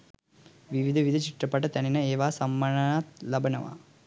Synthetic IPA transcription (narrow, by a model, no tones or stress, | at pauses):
ʋiʋid̪ʱɐʋid̪ʱɐt͡ʃiʈrɐpːɐʈːɐt̪ɐninɐeːʋaːsɐmːɐɳɐaːt̪lɐbʱɐnɐ̰ʋa̰ː